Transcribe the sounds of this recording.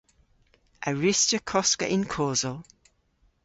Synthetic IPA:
ʔəɹɪst͡ʃəkʰɔskə̰ʔɪ̃nkʰɔːzəlˠ

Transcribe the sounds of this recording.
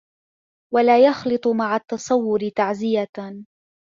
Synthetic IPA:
walaːjɑxlɨt̪ˤʊmaʕat̪ːɑsˤɑwːʊɾɪt̪aʕzɪja

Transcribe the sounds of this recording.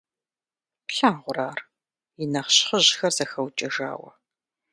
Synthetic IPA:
ɬaːnʁʷʊɾaːr | jɪnɐχɕχəʑxɐrzɐxɐwt͡ʃʼɐʒa̰ːwɐ̰

